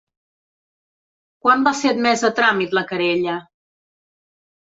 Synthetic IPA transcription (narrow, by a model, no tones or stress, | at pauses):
kwambafet̪̚mɛzət̪ɾamit̪ləkəɾeʎə